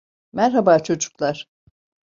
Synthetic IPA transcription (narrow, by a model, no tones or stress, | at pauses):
mɛɾɦabaːt͡ʃʰo̞d͡ʒu̥klˠaɾ̥